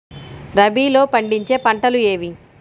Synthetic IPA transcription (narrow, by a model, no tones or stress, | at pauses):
ɾɐbiːlo̞ːpɐɳɖiɲt͡ʃe̞ːpɐɳʈɐlue̞ːʋi